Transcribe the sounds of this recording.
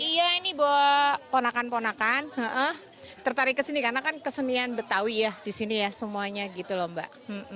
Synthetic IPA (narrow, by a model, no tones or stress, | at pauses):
ijainibawaponakanponakanəʔəh | t̪ərt̪aɾɪkːəsinikarnakankəsənianbərt̪awijahdisinijasəmuaɲaɡit̪ulombaʔm̩m̩